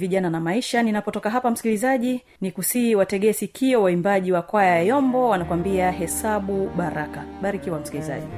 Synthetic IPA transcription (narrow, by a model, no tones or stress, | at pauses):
viʄananamaiʃaninapɔtɔkaɦapam̩si̥kilizaʄi | nikusiwatɛɠɛsikiɔwaimbaʄiwakwajajɔmbɔwanakwambiaɦɛsaɓuɓaɾakaɓaɾikiwam̩sikiliza̰ʄi